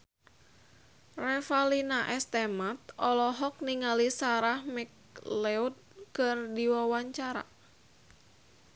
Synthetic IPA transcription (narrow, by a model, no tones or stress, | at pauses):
rɛfalinaʔɛst̪ɛmat̪̚ɔlɔɦɔk̚niŋalisaɾahmɛk̚ | lɛud̪̚kɨrdiwawaɲt͡ʃaɾa̰